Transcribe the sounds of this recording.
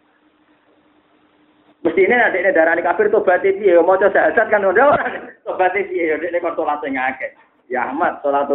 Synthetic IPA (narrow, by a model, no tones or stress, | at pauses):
məst̪inenadeʔnedaɾalikafɪrt̪ob̥at̪et̪iejomɔt͡ʃɔsaɦasat̪̚kanɔdawɔɾanet̪obat̪et̪iejodeʔnekɔnt̪olat̪oŋakɛ | ja̰hmat̪̚ːolat̪o